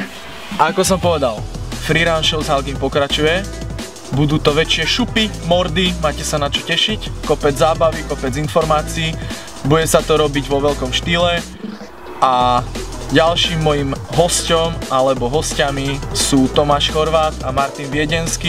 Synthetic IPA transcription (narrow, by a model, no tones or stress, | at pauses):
ʔakɔs̬ɔmpɔʋɛd̪alfɾiɾanʃɛlzɦalɡimpɔkɾat͡ʃujɛ | bud̪uːt̪ɔʋɛt͡ʃɪɛʃupimɔɾd̪imaːcɛsanat͡ʃɔcɛʃickɔpɛd͡zzaːbaʋikɔpɛd͡zinfɔɾmaːt͡siiː | buɟɛsat̪ɔɾɔbiɟʋɔʋɛʎkɔmʃt̪iːlɛ | ʔa | ɟalʃiːmːɔjimɦɔscɔmalɛbɔɦɔscamisuːt̪ɔmaːʃxɔɾʋaːt̪amaɾt̪inʋɪɛɟɛnskiː